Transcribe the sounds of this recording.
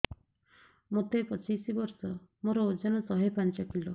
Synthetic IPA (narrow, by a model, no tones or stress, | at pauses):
mot̪epɔt͡ʃisibɔɾsɔmoɾɔod͡ʒanɔsɔɦepant͡ʃɔkʰilo